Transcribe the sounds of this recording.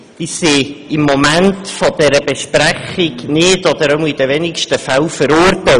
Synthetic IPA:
iseɪmːomæntfod̥ɛɾəbeʃprɛχɪɡnɪdɔd̥̪əɾəmid̥əvɛnɪkʃtəfalfəɾʊːɾtɛ

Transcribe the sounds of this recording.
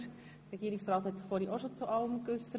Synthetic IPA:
ɾɛɡiːɾɪksɾɑːt̪hɛtsɪ̥χfoːɾhiʔoʃot͡suʔɑʊəmkʏsə

